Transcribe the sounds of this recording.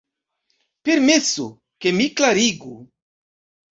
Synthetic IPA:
peɾmesu | kemiklaɾiɡu

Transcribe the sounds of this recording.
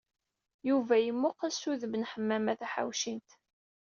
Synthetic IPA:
juvæjəmːʊqæsuðəmənħəmːæmæθæħa̰wʃint̪

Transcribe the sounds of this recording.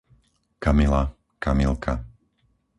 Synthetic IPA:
kamila | kamilˠkʰa

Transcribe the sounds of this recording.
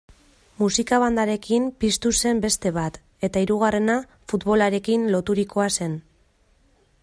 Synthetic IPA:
musikaβand̪aɾe̞kimpist̪use̞mbe̞st̪e̞βat̪ | e̞t̪aiɾuɣ̞are̞na | fut̪βo̞laɾe̞kinlo̞t̪uɾiko̞ase̞n

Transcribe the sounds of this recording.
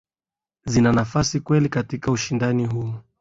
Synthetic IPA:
zinanafasikwɛlikatikauʃindaniɦu

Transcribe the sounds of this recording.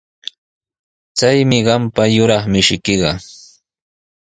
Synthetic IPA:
t͡sajmɪɢɑmpajʊɾɑχmɪʃɪkɪɢɑ

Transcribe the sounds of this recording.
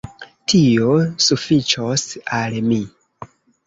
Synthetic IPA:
tʰio̞sufit͡ʃosalmi

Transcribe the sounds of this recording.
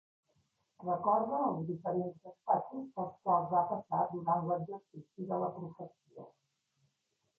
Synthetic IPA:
rəkɔɾðuːlˠzðifəɾenzəspat͡ʃizðəlˠskwalˠzβapəsad̪uɾanləʒərsisiðələpɾufəsiə̰

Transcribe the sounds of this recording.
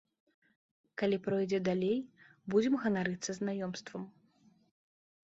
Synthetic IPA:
kalʲipɾɔjd͡zʲɛd̪alʲejbud͡zʲɛmɣɐnaɾɨt̪sɐznajɔmst̪vɐm

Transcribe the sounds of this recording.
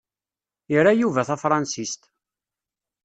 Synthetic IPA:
iɾajuvæθæfɾˤɑnsist̪

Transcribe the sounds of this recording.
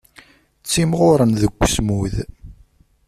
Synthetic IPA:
t͡sːimʁʊɾˤənðəɡʷːsmuð

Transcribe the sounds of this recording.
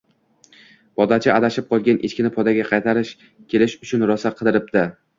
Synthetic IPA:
b̥ɒd̪at͡ʃʰɪad̪aʃɪp̚qʰɒlˠɡʲanʔet͡ʃkʲɪnɪpʰɒd̪aɡʲaqʰɑjt̪ʰaɾɪʃ | kʲʰe̞lɪʃʊt͡ʃʰʊnɾɒsaqʰɨd̪ɪɾɪp̚d̪̥ɪ

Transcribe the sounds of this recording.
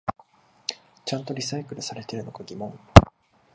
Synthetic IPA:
t͡ɕãnt̪o̞ɾʲisaikɯ̟ɾɯ̟saɾe̞t̪e̞ɾɯ̟no̞ɡaɡʲimõ̞ŋ

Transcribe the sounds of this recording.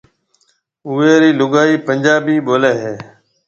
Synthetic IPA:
ʊːeːɾiːlʊɡaːiːpəɲd͡ʒaːbiːɓoːleːɦeː

